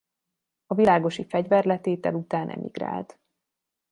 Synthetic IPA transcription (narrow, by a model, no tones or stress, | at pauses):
ɒvilaːɡo̞ʃifɛɟvɛrlɛt̪eːt̪ɛlut̪aːnʔɛ̰mḭɡra̰ːlt̪